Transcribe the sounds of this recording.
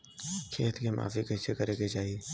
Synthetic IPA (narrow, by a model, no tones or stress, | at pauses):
kʰeːt̪kemʔa̰ːfikəsekəɾeːket͡ʃaːɦie